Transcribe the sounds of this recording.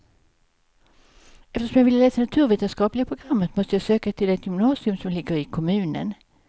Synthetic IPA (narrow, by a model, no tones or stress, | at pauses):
ɛft̪əɾʂɔmjɑɡvɪlːəleːt̪anat̪ʰʉ̟ːɾveːt̪ənskɑːplɪɡapʰɾʊɡɾamːət̪mɔst̪əjasøːkat̪ʰɪlɛt̪jʏmnɑːsɪɵmsɔmlɪɡəɾɪkʰɔmʉ̟ːnə̰n